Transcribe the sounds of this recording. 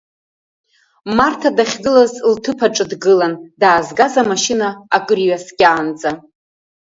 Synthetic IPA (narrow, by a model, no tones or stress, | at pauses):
martʰadaχʲɡɨlazltʰɨpʰaʈ͡ʂʼɨdɡɨlandaːzɡazamaʃinaakʼrɥaskʲʼaːnd͡zʼa